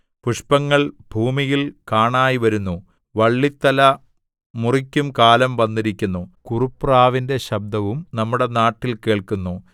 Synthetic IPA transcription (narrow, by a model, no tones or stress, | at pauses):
puʂpɐŋːɐɭbʱuːmijilkaːɳaːjiʋɐɾunːu | ʋɐɭːit̪ːɐlɐ | murikʲːumkaːlɐmʋɐnːiɾikʲːunːukurupːraːʋinde̞ɕɐb̚d̪ɐʋumnɐmːuɽe̞naːʈːilke̞ːɭkunːu